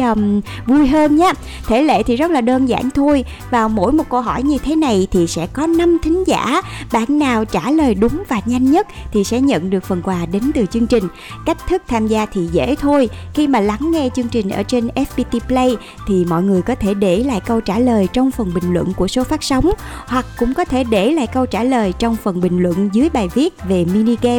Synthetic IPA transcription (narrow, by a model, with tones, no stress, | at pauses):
m | vu˧jɦəː˧nɲaː˨˦˥ | t̪ʰe˧˩lḛ˧˨t̪ʰi˨˩zə˦˥t̚laː˨˩ɗəː˧nza̰ː˧˩˨nt̪ʰo˧j | vaː˨˩wmo̰˧˥jmo˨˩t̚kə˧wɦɔ˧˩jɲɨ˧t̪ʰe˨˦na˨˩jt̪ʰi˨˩sɛ̰˧˥kɔ˨˦na˧mt̪ʰï˨˦ŋ̟za̰ː˧˥ɓa̰ː˧˨nːaː˨˩wt͡ɕaː˧˩ləː˨˩jɗʊ˨˦ŋ͡mvaː˨˩ɲa˧jŋ̟ɲə˦˥t̚t̪ʰi˨˩sɛ̰˧˥ɲə̰˧˨nɗɨ˨˩ək̚fə˨˩nkwaː˨˩ɗe˨˦nt̪ɨ˨˩t͡ɕɨ˧ŋt͡ɕï˨˩ŋ̟ | ka˦˥jk̟̚t̪ʰɨ˦˥k̚t̪ʰaː˧mzaː˧t̪ʰi˨˩zḛ˧˥t̪ʰo˧jxi˧maː˨˩la˨˦ŋːɛ˧t͡ɕɨ˧əŋt͡ɕï˨˩ŋ̟ʔə̰ː˧˩t͡ɕe˧nʔɛ˦˥fɓi˧t̪i˧plə˧j | t̪ʰi˨˩mɔ̰˧˨jŋɨ˨˩əjkɔ˨˦t̪ʰe˧˩ɗe˧˩la̰ː˧˨jkə˧wt͡ɕaː˧˩ləː˨˩jt͡ɕɔ˧wŋ͡mfə˨˩nɓï˨˩ŋ̟lwə̰˧˨nku˧˩əso˨˦faː˦˥t̚sə˨˦wŋ͡mhwa˨˩k̚kːʊ̰˧˥ŋ͡mkɔ˨˦t̪ʰe˧˩ɗe˧˩la̰ː˧˨jkə˧wt͡ɕaː˧˩ləː˨˩jt͡ɕɔ˧wŋ͡mfə˨˩nɓï˨˩ŋ̟lwə̰˧˨nzɨ˨˦əjɓaː˨˩jvi˦˥ət̚ve˨˩mi˧ni˧ɣɛ˧